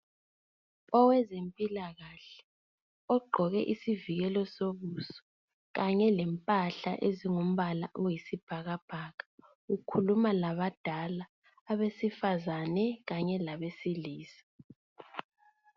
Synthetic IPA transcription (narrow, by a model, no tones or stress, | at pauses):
ɔwɛzempʼilaɣaɬɛ̥ | ɔɡ͡ǃʱɔɣɛʔisiviɣɛlɔsoβusɔ̥ | ɣaɲɛlɛmpʼaɬa̰ʔeziŋum̩βala̰ʔujisib̥ʱaɣab̥ʱaːɣa | ukʰulumalaβad̥ʱalaː | βesifazanɛɣaɲɛlaβesiliːsḁ